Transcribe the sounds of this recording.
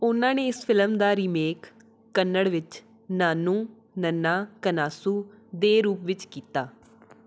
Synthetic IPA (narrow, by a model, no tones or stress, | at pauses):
ʊnãːneːɪspʰɪlmd̪aːɾiːmeːkː | kːənːəɽʋɪt͡ʃ | naːnũː | nənːaːkənaːsuː | d̪eːɾuːpʋɪt͡ʃkiːt̪aː